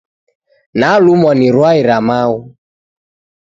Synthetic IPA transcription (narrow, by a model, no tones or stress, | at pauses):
nalumɔniɾwaiɾamau